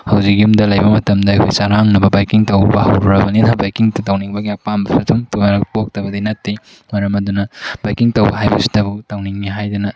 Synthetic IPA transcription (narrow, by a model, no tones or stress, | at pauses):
hɐwzikːiumdɐlɐjbɐmɐtɐmdɐɐkʰojsaɾaŋnɐbɐbajkiŋtɐwbɐhɐ̰wɾuɾɐbɐninɐbajkiŋtɐtɐwniŋbɐɡiapambɐpʰɐtʰumtuɐɾɐk̚pok̚tɐbɐdinɐtːi | mɐɾɐmɐdunɐb̥ajkiŋtɐwbɐ̰ɦajbɐ̰si̥tɐbutɐwniŋːiɦajdɐnɐ